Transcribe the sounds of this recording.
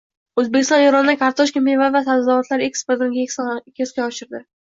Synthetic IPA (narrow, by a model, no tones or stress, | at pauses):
ɵzbekʲɪst̪ɒneɾɒnɪd̪akʰaɾt̪ʰɒʃkʲampinvaɾvasad̪zavat̪laɾekspeɾt̪ɪnɡʲakʲskʲʰeskʲaɒʃɪɾd̪ɪ